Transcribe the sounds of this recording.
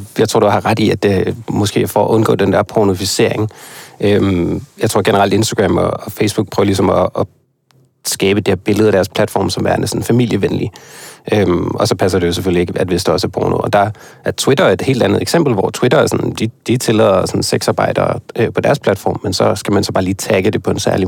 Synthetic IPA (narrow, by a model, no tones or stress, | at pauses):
jɑ̈ɪt͡sʰo̝̰d̥uhɑ̈ʁad̥iæd̥emɒ̽sɡ̥e̝̰ːfɒʔɔ̽nɡ̥ɔ̰̽ːd̥end̥æɐ̰pʰono̝fise̝̰ɐ̰e̝ŋʔømjɑ̈ɪt͡sʰo̝ɐ̰ɡ̥enəʁɑ̈l̰d̥e̝nsd̥ɐɡ̥ʁɛm̰ɒ̰ːfeɪsb̥uɡ̥̚pʰʁœːʊɐlisɒ̽mɒ | sɡ̥ɛːb̥əd̥iheɐb̥e̝ləð̞ˠɐd̥æɐspʰlæd̥fɒ̰ːmsɒ̽mʋæɐnəsn̩fæmil̰jəʋenliʔømɒ̽sɒ̽pʰæs̬ɐd̥e̝jo̝s̬efølie̝ɡ̥əæd̥ʋe̝sd̥ɒ̽sæɐpʰo̰ːno̰ɒd̥ɑ̈ʔæɐt͡sʰwid̥ɐe̝d̥he̝̰ːld̥ænð̞̩ˠeɡ̥sem̰b̥l̩ʋɒ̰t͡sʰwid̥ɐæsɒ̽nd̥id̥it͡sʰe̝lɛðˠɐsɒ̽nseɡ̥sɑ̈ːb̥ɑ̈ɪ̰d̥ɐ̰ʔøpʰɒ̽d̥æɐspʰlæd̥fɒ̰ːmːensɒ̽sɡ̥æmænsɒ̽b̥ɑ̈ːliːt͡sʰæɡ̥əd̥e̝pʰɒ̽e̝nsæɐli